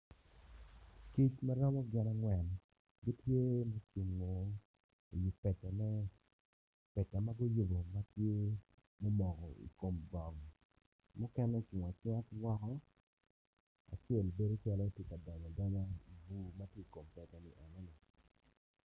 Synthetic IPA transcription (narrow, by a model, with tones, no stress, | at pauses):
ki˦t͡ʃma˦ɾɔ˦mɔ˦ɡɪ˦na˦ŋwɛ˨n | ɡi˦tje˦mo˦t͡ʃu˨ŋːo˨ | i˨ju˨pɛ˨tɛ˨nɛ˦ | pɛ˨ta˨ma˦ɡo˦jo˦bo˨ma˦tje˦ | mo˦mɔ˨kɔ̰˨ḭ˨ko˨mbɔ˨ŋ | mʊ˦kɛ˦nɛ˦t͡ʃu˨ŋa˨t͡ʃa˦twɔ˦kɔ˦ | a̰˨t͡ʃe˦˨lbe˦do˦t͡ʃa˦lɔ˦tje˦ka˨dɔ˨ɲɔ˨dɔ˦ɲa˦i˨bu˨ma˦tje˦i˨ko˨mpɛ˨tɛ˨nɪ̰˨ʔa˨nɛ˦ni˨